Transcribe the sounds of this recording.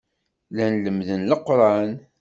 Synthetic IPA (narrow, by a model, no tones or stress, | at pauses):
lænləmðənləqːɾˤɑn